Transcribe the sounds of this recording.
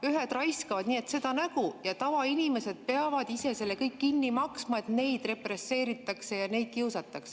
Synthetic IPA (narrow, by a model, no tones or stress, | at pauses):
yɦe̞d̪rɑjskɑvɑd̪̥niːe̞t̪se̞d̪̥ɑnæɡ̥ujɑt̪ɑvɑinime̞se̞d̪̥̚pe̞ɑvɑd̪ise̞se̞lːe̞kɤjkːinːimɑksmɑe̞t̪ne̞jd̪re̞pre̞sːe̞ːɾit̪ːˑɑkse̞jɑne̞jd̪̥̚kiuwsɑt̪ːˑɑkse̥